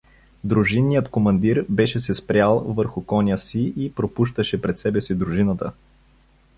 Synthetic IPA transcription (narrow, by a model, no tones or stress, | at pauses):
d̪ɾuʒinːijət̪komɐnd̪iɾbɛʃɛsɛspɾʲalˠvɤɾxʊkɔnʲəsiipɾopuʃt̪əʃɛpɾɛt̪sɛbɛsid̪ɾuʒinət̪ə̰